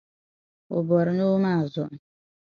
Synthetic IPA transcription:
o˨bɔ˨ɾno˦mã˦˨zʊ˨

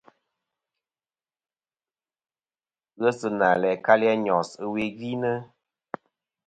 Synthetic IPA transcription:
ɣə˦sɨ˨na˨lɛ˨ka˦li˦a˧ɲɔ˨sɨ˦we˧ɡi˦nə˦

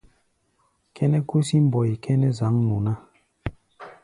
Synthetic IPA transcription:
kɛ˦nɛ˦ku˦si˦m˦bɔ˨i˨kʰɛ˦nɛ˦za˨˦ŋnu˨na˦

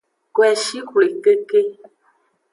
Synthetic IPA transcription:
kwɛ˨ʃi˦kle˨ke˦ke˦

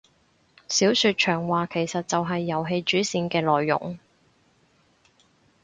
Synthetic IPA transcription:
siː˨˥wsyː˧t̚t͡ʃʰœː˨˩ŋwaː˨˧kʰe˨˩jsɐ˨t̚t͡sɐ˨wɦɐ˨jːɐ˨˩wɦe˧jt͡ʃyː˨˥siː˧nkɛː˧lɔː˨jːʊ̰˨˩ŋ

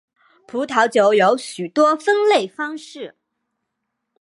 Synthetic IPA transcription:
pʰu˧˥t̪ʰɑ˧˥ʊt͡ɕjo˧˥˦ʊjo˧˥ʊɕy˨˩t̪wɔ˥fə˥ŋle˥˩ɪfɑ˥ŋʂɻ̩˥˩

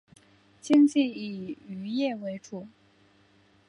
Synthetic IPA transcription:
t͡ɕʰi˥ŋt͡ɕi˥˩i˨˩y˧˥jɛ˥˩we˧˥ɪʈ͡ʂʰu˨˩˦

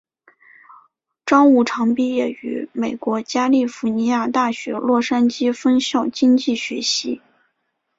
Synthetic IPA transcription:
ʈ͡ʂɑ˥ŋu˥˩ʈ͡ʂʰɑ˧˥ŋpi˥jɛ˥˩y̰˧˥me˨˩ɪkwɔ˧˥t͡ɕja˥li˥˩fu˧˥ni˧˥ja˥˧t̪a˥˩ɕɥɛ̰˧˥lwɔ˥˩ʂa˥nt͡ɕi˥fə˥nɕjɑ˥˩ʊt͡ɕi˥ŋt͡ɕi˥˩ɕɥɛ˧˥ɕi˧˥

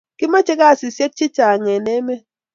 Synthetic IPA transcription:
ki˦ma˦t͡ʃe˦ka˦˨si˨sje˦k̚t͡ʃi˦t͡ʃa˨ŋe˨ne˦me˦

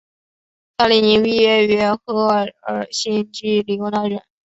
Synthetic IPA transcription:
t̪a˥˧li˧˩ni˧˥ŋwi˥˧ɥɛ˥ɛ˧˥xɤ˥˧˩ə˨˩ɕi˥nt͡ɕi˥li˧˩o˧˥na˧˥ɻə̰˨˩˦n

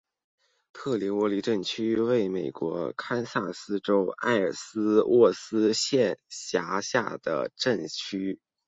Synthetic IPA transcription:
t̪ʰɤ˥˩li˧˥ŋwɔ˧˥li˧˥ʈ͡ʂə˥˩nt͡ɕʰy˥we˥˩ɪme˨˩ɪkwɔ˧˥kʰa˥nsa˥˩sɹ̩˥ʈ͡ʂo˥ʊa̰˥˩ɪə̰˞˨˩sɹ̩˥wʔɔ˥˩sɹ̩˥ɕjɛ˥˩nɕja˧˥ɕja̰˥˩d̪̥ə̰˩ʈ͡ʂə˥˩nt͡ɕʰy˥

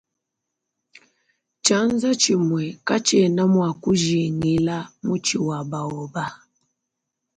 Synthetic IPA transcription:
t͡ʃa˨˦n˦za˦t͡ʃi˨mwɛ˨ka˦t͡ʃɛ˨na˦mwa˨ku˦ʒi˨ŋi˦la˦mu˦t͡ʃi˨wa˨ba˨ɔ˨ba˦

